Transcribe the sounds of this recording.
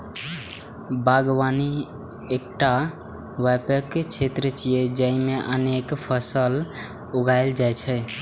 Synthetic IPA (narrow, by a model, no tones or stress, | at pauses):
baɡwani | ek̚ʈa | ʋɛpəkt͡ʃʰet̪ɾət͡ʃijed͡ʒəĩmeʔənekpʰəsəl | uɡaɪld͡ʒajt͡ʃʰɛ